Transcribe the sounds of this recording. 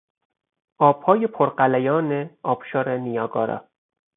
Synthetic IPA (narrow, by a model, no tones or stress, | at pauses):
ʔɒːb̥hɒːjepʰoɾɢælæjɒːneɒːb̥ʃɒːɾenijɒːɡɒːɾɒ̰ː